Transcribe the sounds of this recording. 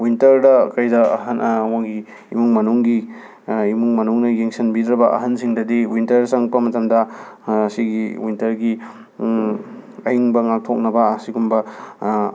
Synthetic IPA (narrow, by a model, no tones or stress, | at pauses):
wintɐɾdɐkɐjdɐ̰ɦɐnwaŋɡi | imuŋmɐnuŋɡi | imuŋmɐnuŋnɐjeŋsɐnbidɾɐbɐʔɐ̰ɦɐnsiŋdɐdiwintɐɾsɐŋpɐmɐtɐmdɐsiɡiwintɐɾɡi | ɐjiŋbɐŋak̚tʰok̚nɐbɐːsiɡumbɐ